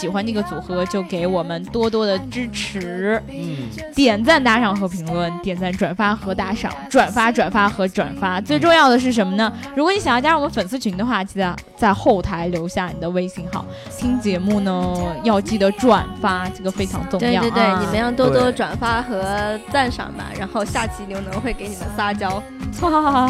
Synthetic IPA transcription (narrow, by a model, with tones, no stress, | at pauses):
ɕi˨˩xwa˥nə˥˩ɡə˩t͡su˨˩xɤ˧˥t͡ɕjo˥˩ʊke˧˥ɪwɔ˨˩mə˦nt̪wɔ˥t̪wɔ˥d̪ə˨ʈ͡ʂɻ̩˥ʈ͡ʂʰɻɻ̩˧˥ | t̪jɛ˨˩nt͡sa˥˩ɪt̪a˧˥ʂɑ˥˩ŋxɤ˧˥pʰi˧˥ŋlwə˥˧nt̪jɛ˨˩nt͡sa˥˩ʈ͡ʂwa˨˩nfa˥xɤ˧˥t̪a˥ʂɑ̰˥˩˦ŋʈ͡ʂwa˨˩nfa˥ʈ͡ʂwa˨˩nfa˥xɤ˧˥ʈ͡ʂwa̰˨˩nfa˥t͡swe˥˧ɪʈ͡ʂʊ˥˧ŋjɑ˥˩ʊd̪ə˩ʂ̬ɻ̩˥˩ʂ̬ə˧˥nmə˧nə˩ | ɻu˧˥kwɔ˧˦ni˧˥ɕjt͡ɕja˥wɔ˨˩mə˦nfə˨˩nsɹ̩˥˩t͡ɕʰy˧˥nd̪ə˧xwa˥˧t͡ɕi˥˧˥t͡sa˥˧ | t͡sa˥˧ɪxo˥˩ʊt̪ʰa˧˥ɪljo˧˥ʊɕja˥˩ni˨˩d̪ə˦we˥ɪɕi˧˥ŋxɑ˥˩˦ʊ | t̪ʰi˥ŋt͡ɕjɛ˧˥mu˥˩nə˩jɑ˥˧ʊt͡ɕi˥˩d̪ə˧˦ʈ͡ʂwa˨˩nfa˥ʈ͡ʂɤ˥˩ɡə˩fe˥ɪʈ͡ʂʰɑ˧˥ŋt͡sʊ˥˧twjɑ˥˧˥t̪we˥˩ɪni˨˩mə˦njɑ˥˩ŋt̪wɔ˥wɔ˥ʈ͡ʂwa˨˩nfa˥xɤ˧˥t͡sa˥˩nʂɑ̰˨˩ŋbɐ̰˩ɻa̰˧˥nxo˥˧ʊɕja˥˩t͡ɕʰi˧˥˩ljo˧˥ʊnɤ˧˥ŋxwe˥˩ɪke˧˥ɪni˨˩mə̰˦nsa˥t͡ɕjɑ˥ʊ˥